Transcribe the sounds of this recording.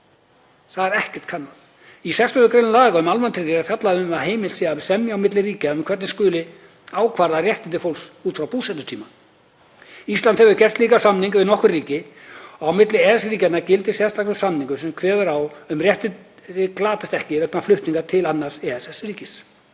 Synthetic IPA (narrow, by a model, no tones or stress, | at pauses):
θaðɛɾɛhcɛ̥t̪kʰanːaθ | isɛksʏðʏkɾenʏlaːɣaʏmalmant̪ʰɪriaɾfjat̪laðɪʏmmaɦeːjmɪlt̪siɣaɪsɛmjaawmɪt̪lɪriːcɪʏmkʰvɛɾt̪nɪskʏːlɪ | aːwkʰvaɾðarjɛht̪ɪnt̪̬ɪfowlsuːt̪fɾawpuːsɛt̪ʏ̥t̪ʰiːma | ist̪ant̪hɛvʏɾcɛst̪liːkasamniŋkvɪðnɔhkʏrriːcɪ | ɔawmɪt̪lɪɛsɾiːcat̪nacɪlt̪ɪsjɛst̪aklɪ̥samniŋkʏsɛmkʰvɛːðʏɾawʏmrjɛht̪ɪ | ɪklaːt̪ɪst̪ɛhcɪvɛknaflʏht̪niŋkat̪ʰɪlanːaɾ̥sɛɛsɛsriːcɪs